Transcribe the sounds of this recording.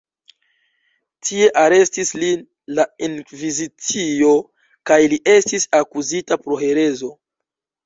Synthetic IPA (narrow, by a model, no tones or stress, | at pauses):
tʰie̞ʔaɾe̞stislin | lainvizit͡sio̞ | kajliʔe̞stisakuzitapɾo̞he̞ɾe̞zo̞